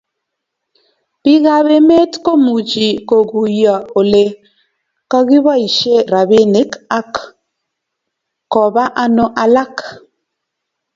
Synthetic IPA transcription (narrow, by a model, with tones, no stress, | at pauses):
pi˦ɣa˦βe˦me˦tko˦mu˨d͡ʒi˨ko˨ɡu˨ja˨o˨le˨ | ka˦ɣi˦βa˦i˨ʃe˦˨ɾa˨bi˦ne˨˦ka˦k | kɔ˨ba˦ʔa˨no˦ʔa˨la˦k